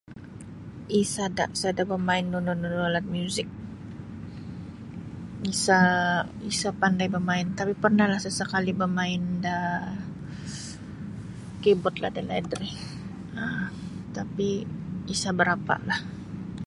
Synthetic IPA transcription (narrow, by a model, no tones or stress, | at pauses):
ʔisadaʔsadabəmaɪnːununʊnolat̪̚mjuzɪk̚ | isa | isapandajbəmaɪnt̪apipərnahlahsəsəkalibəmaɪnda | kibʊt̪̚la̰hdalaɛdɾi | ət̪apiːsabəɾapa̰ʔlah